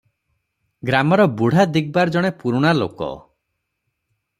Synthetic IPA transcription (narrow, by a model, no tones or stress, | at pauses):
ɡɾamɔɾɔbuɽ̤ad̪iɡ̚baɾd͡ʒɔɽ̃epuɾuɽ̃alo̰kɔ̰